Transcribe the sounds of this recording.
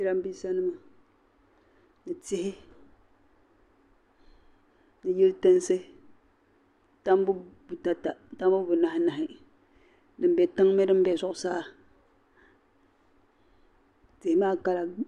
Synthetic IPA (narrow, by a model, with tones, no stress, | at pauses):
i˦ɾa˦m˦biː˦sa˦nɨ˦mɨ˨ | nɨ˨tɪ˦hɪ˦ | nɨ˨ji˦ltɨ˦n˦sɨ˦ | ta˦m˦bu˦bu˨ta˨ta˨ta˦m˦bu˦bʊ˨na˨hɪ˦na˨hɪ˨ | dɨ˨m˦bɛ˨tɨ˦ŋ˦me˦dɨ˦m˦bɛ˨zʊ˦ʔʊ˨saː˦˨ | tɪ˨hɪ˦maː˦ka˦la˨